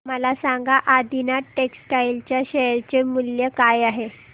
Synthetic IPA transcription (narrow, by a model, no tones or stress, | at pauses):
məlasaŋɡaʔad̪inaʈːeksʈailt͡ɕjaɕeɾt͡ɕemuljəkajaɦe